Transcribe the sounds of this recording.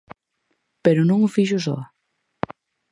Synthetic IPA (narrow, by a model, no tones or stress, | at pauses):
peɾunõŋufiʒus̬ɔ̰